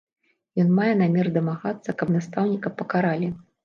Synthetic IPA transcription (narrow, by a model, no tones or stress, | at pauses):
jɔnmajɛnamʲɛrd̪ɐmaɣat̪sːɐkɐbnast̪awnʲikɐpɐkaɾalʲi